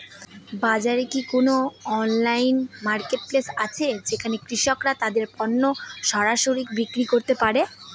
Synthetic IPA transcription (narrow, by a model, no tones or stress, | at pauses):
bad͡ʑaɾekikonoɔnlajnmaɾkeʈ̚plesat͡ɕʰed͡ʑekʰanekɾiʃokɾat̪ad̪eɾpɔnːoʃɔɾaʃoɾik̚bikɾikoɾt̪epaɾe